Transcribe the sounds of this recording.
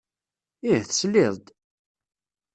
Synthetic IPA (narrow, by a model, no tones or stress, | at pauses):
ihθə̥slɪðˤd̪